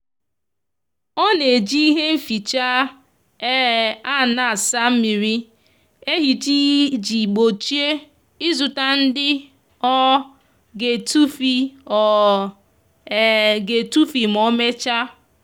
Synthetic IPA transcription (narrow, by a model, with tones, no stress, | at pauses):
ɔ˦ne˨d͡ʒi˦i˦ɦe˦m̩˦fi˨t͡ʃa˦ | a˦˨na˨sa˦m̩˦mi˨ɾi˦ | e˦ɦi˨ti˦d͡ʒi˨ɡ͡bo˨t͡ʃi˦e˦ | i˦zu˨ta˦n̩˦dɪ˦ | ɔ˦ | ɡe˨tu˦fi˦ɔ˨ | ɡe˨tu˦fi˨m̩˨ɔ˦me˦t͡ʃa˦